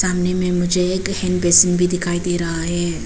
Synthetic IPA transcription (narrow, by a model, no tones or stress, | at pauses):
saːmnemɛ̃mʊd͡ʒʱeeːkhɛnbeːsənbʱid̪ɪkʰaːid̪eːɾɐɦaɦɛː